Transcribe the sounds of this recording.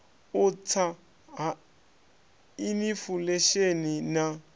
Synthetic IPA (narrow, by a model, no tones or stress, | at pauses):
ʊt͡sʰa | ɦa | inifuleʃenina